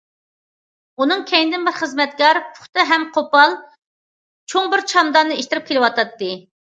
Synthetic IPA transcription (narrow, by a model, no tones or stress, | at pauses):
unɨŋkʲʰɛjnɪd̪ɪnbɪɾχəzmɛt̪̚kɑɾpʰʊ̥χt̪ɨɦɛmqʰopɑlˠ | t͡ʃʰoŋbɪɾt͡ʃʰɑmd̪ɑnɨeʃt̪ɪɾɪp̚kʲʰelɪwɑt̪ɑt̪ːɨ